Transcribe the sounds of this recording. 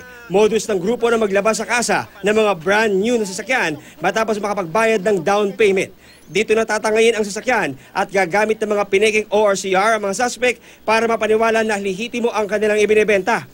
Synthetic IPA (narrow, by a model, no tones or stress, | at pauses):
mod̪osnɐŋɡɾuːpo̞nɐmɐɡlɐbasːɐkaːsɐnɐŋmɐŋabɾand̪ɲunɐs̬ɐsɐkjan | mɐt̪aːpo̞smɐkɐpɐɡ̚baːjɐd̪̚nɐŋd̪awnpɛjmɛ̰nt̪̚ | d̪iːt̪onɐt̪aːt̪ɐŋɐjɪnɐŋs̬ɐsɐkjanʔɐt̪̚ɡaːɡaːmɪt̪̚nɐŋmɐŋapɪnɛkɪŋʔoaɹsiʔaɹɐŋmɐŋasaspɛk̚ | paːɾɐmɐpɐnɪwaːlɐnɐlɪɦiːt̪ɪmo̞ʔɐŋkɐnɪlaŋɪbɪnɛbɛnt̪ɐ